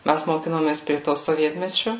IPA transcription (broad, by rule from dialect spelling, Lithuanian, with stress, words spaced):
ˈmʲæs moːˈkʲɪnoːmʲeːs pʲrʲiɛ toː soːˈʋʲiɛtʲmʲɛt͡ʃʲʊ